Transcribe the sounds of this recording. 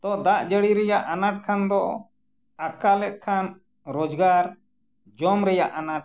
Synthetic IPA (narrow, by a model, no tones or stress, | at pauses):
t̪ɔd̪aʔd͡ʒəɽiɾɛjaʔanaʈ̚kʰand̪ɔ | akalɛt̪̚ˀkʰan | ɾɔd͡ʒɡaɾ | d͡ʒɔmɾɛjaʔanaʈ̚